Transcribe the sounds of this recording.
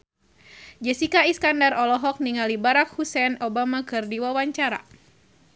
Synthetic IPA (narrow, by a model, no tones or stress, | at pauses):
d͡ʒɛsikaiskandarɔlɔɦɔk̚niŋalibaɾak̚husɛnɔbamakɨrdiwawaɲt͡ʃaɾa̰